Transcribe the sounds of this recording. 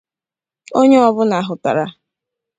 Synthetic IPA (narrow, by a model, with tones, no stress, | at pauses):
o˦ɲe˦ɔ˨bʊ˦na˨ɦʊ˨ta̰˨ɾa˦